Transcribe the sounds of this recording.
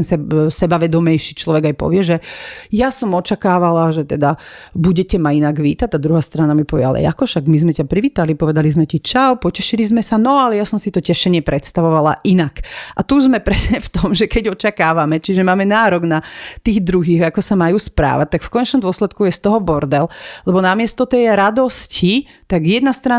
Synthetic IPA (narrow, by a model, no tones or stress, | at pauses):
ɛnsɛsɛbaʋɛd̪ɔmɛjʃiːt͡ʃlɔʋɛɡajpɔ̰ʋɪɛʒɛjasɔmɔt͡ʃakaːʋalaʒɛt̪ɛd̪abuɟɛcɛmainaɡʋiːt̪ac̚t̪ad̪ɾuɦaːst̪ɾanamipɔʋɛa̰lɛ̰ja̰kɔʃaɡmizmɛcapɾiʋiːt̪alipɔʋɛd̪alizmɛcit͡ʃaʊpɔcɛʃilizmɛsanɔalɛjasɔmsit̪ɔcɛʃɛɲɪɛpɾɛt̪st̪aʋɔʋala̰ʔinakʔat̪uzmɛpɾɛsɲɛft̪ɔmʒɛkɛɟɔt͡ʃakaːʋamɛt͡ʃiʒɛmaːmɛnaːɾɔɡnat̪iːɣd̪ɾuɦiːɣakɔsamajuːspɾa̰ːʋa̰c̚t̪akfkɔɲɛt͡ʃnɔmd̪ʊɔslɛt̪kujɛst̪ɔɦɔbɔɾd̪ɛllɛbɔnamɪɛst̪ɔt̪ɛjɾad̪ɔsci | t̪aɡjɛd̪nast̪ɾa